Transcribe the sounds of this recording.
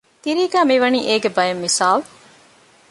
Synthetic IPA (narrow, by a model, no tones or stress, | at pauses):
t̪iɾiːɡæːmiʋɐniːʔeːɡebɐjɐmːisaːlu